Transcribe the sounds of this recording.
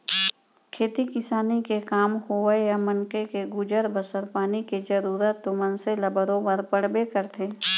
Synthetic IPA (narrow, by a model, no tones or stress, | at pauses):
kʰeːt̪ikɪsaːnikekaːmhoʋəjamɐnkekeɡud͡ʒəɾbəsəɾpaːniked͡ʒəɾuːɾət̪ːomənselɐbəɾõpɐɾpəɽ̤bekəɾt̪ʰeː